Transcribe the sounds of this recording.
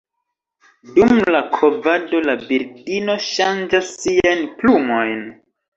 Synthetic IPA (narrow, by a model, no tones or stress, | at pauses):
dumlakʰo̞vado̞labiɾdino̞ʃand͡ʒasːiajnplumo̞jn